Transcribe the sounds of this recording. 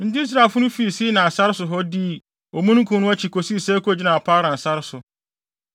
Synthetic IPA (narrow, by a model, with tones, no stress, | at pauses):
n̩˦dɪ˦i˦s̬ɾa˨lfʊ˦nʊ̃˦fi˨˦˨si˦nã˨a˨sa˦ɾɪ˦sʊ˨ɦɔ˦diː˦˨ | ɔ˨mũ˦nũ˦kʰũ˨˦nʊ̃˦a˦t͡ɕʰi˨kʰo˨si˦˨sɛː˦ko˦˨d͡ʑi˦nã˨a˨pʰaː˦ɾã˨n̩˨sa˦ɾɪ˦sʊ˨